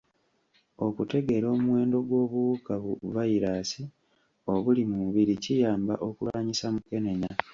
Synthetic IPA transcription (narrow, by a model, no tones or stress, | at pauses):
o̞kute̞ɡe̞ɾo̞ːmuwe̞ːndo̞ɡwo̞ːβukaβuvaiɾaːsi | o̞βulimuuβiɾicijaːmbaʔo̞kulaːɲisamuke̞ne̞ɲa